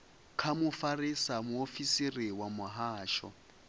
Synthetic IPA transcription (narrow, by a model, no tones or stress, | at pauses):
kʰamʊfarisamʊofisiriwamʊɦaːʃɔ̰